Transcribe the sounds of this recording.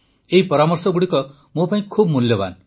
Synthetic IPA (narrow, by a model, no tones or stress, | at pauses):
eipʌɾamʌrsʌɡuɽikʌ | mopaĩkʰub̚muljʌba̰n